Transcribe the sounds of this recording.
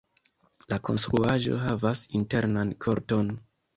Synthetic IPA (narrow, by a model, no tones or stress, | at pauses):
lako̞̰nst̪ɾuaʒo̞̰ɦavasinte̞ɾnankʰo̞ɾto̞n